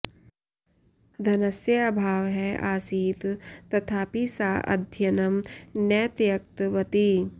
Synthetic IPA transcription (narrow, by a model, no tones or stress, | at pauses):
d̪ʱɐnɐsjəɐbʱaːʋɦɛaːsiːt̪t̪ɐt̪ʰaːpiːsaːʔɐ̰d̪ʱjɐnɐmnɛːt̪jɐk̚t̪ʋɐt̪i